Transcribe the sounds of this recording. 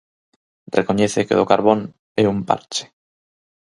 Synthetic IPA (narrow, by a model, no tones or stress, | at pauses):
rekoɲɛθekeðokaɾβon | ɛumpa̰ɾt͡ʃe̥